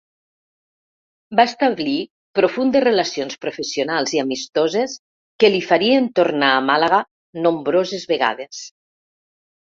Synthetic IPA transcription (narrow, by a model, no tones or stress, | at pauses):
baest̪aβli | pɾofund̪esrelasionspɾofesijonalˠziamist̪ozes | kelifaɾient̪oɾnaːmalaɣa | nombɾozezβeɣa̰ð̞es